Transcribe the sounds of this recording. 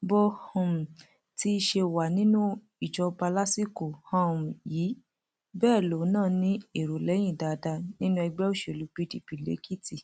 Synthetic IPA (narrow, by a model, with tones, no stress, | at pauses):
bo˧hɔ̃˨m̩˨ | ti˦i˧ʃe˧wa˨nĩ˦nũ˦ | i˨d͡ʒɔ˧ba˧la˦si˦ko˨hã˦m˨jiː˨˦ | bɛː˦˨lo˨˦nãː˦˨nĩ˦e˨ɾo˨lɛ˨˦j̃ĩ˦˨da˨da˧nĩ˦nũ˦ɛ˧ɡ͡bɛ˦o˦˨ʃe˨lu˨˦k͡pi˦di˨pi˨lḛ˨˦ki˦ti˨